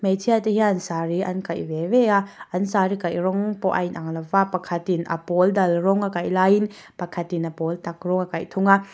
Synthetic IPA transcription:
medʰiateɦiaːnsaɾiɐ̰nkajbeveaɐnsaɾikajɾɔŋpɔʔɐ̰jnʔaŋlɐvapɐkʰɐt̪inʔɐ̰pɔldɐlɾɔŋakajlajin | pɐkʰɐtinɐpɔltɐk̚ɾɔŋakajt̪ʰuŋa

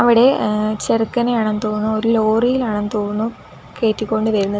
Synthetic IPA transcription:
ɐʋiɽe̞t͡ɕerɨkːɐnejaːɳenɨt̪oːnːuo̞ɾulo̞ːrijilaːɳenɨt̪oːnːu | ke̞ːtːikʲːo̞ɳɖɨʋɐɾunːɐð

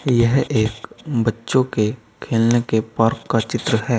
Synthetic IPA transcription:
jɛɦeːkbɐtːʃõke | kʰeːlnekepaːɾkːat͡ʃɪt̪ɾəɦɛː

